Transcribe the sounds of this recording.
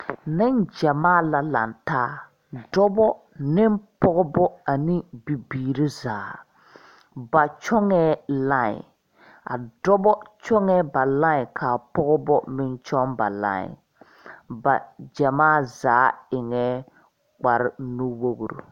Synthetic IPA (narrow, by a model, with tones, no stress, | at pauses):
nɪ˦nd͡ʒɛ˨maː˦˨la˨la̰˨ntaː˦ | dɔ˦bɔ˦ | nɪ˦mpɔ˦ɣɔ˦bɔ˦a˨ni˦bi˨biː˨ɾɪ˦zaː˨˦ | ba˨t͡ʃɔ˦ŋɛː˦la˦˨ɲɪ̰˨ | a̰˨dɔ˦bɔ˦t͡ʃɔ˦ŋɛ˦ba˨la˦ɪ˨kʰa˨pɔ˦ɣɔ˦bɔ˦mɪ˦nt͡ʃɔ˦mba˨la̰˦˨ɪ̰˨ | ba̰˨d͡ʒa˨maː˦˨zaː˨˦ɪ˨ŋɛː˦ | k͡pa˨ɾɪ˨˦nu˦wo˦ɣɾo̰˨